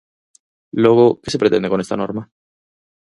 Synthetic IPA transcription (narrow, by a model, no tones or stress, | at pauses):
lo̞ɣokese̞pɾe̞t̪e̞nd̪eko̞ne̞st̪a̰no̞ɾma